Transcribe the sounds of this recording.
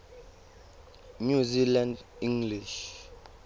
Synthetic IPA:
ɲuzilandĩŋɡliʃ

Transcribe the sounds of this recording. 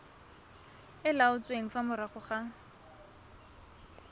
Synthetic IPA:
ɪlaʊt͡sʼweŋ̩famʊɾaχʊχa

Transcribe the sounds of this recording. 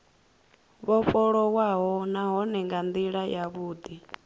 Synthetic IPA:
βɔɸɔɺɔwaɦɔnaɦɔnɛŋɡand̪iɺajaβuːd̪i

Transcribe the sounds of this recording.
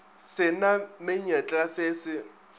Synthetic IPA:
sɪnamɪɲɛt͡ɬʼasɪsɪ

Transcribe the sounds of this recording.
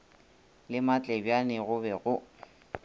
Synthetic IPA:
lɪmat͡ɬʼɛbjanɪɣʊbɛɣʊ

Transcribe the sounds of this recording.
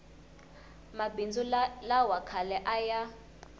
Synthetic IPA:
mabind͡zulawakʰalɛʔaja

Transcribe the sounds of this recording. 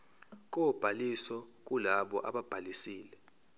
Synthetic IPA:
k̬ʼɔb̥ʱalisɔk̬ʼulaɓɔʔaɓab̥ʱalisiːlɛ

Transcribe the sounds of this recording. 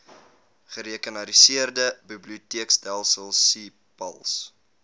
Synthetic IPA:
χəɾiəkənɐɾisiərdəbibliutiəksdælˠsəlˠsi | pɐ̰lˠs

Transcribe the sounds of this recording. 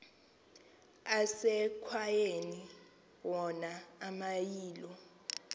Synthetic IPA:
asɛkʰwajeni | wɔnaːmajiːlɔ

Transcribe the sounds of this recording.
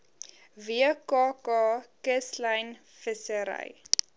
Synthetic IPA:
viəkɑːkɑːkəsləjn | fəsəɾɐ̰j

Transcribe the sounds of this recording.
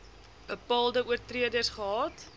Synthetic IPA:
b̥əpɑːlˠdəuərtriədərsχəɦɑːt

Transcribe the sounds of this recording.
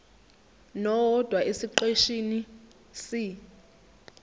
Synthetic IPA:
nɔwɔd̥ʱwaʔesiǃeʃini | si

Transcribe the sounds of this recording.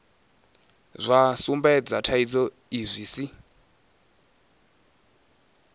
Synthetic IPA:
zʷasumbɛd͡zatʰaid͡zɔ | izʷiːsi

